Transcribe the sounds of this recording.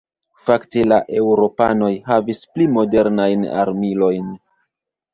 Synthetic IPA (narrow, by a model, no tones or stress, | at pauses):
faktelaʔe̞wɾo̞pano̞jɦavisplimo̞de̞ɾnajna̰ɾmilo̞jn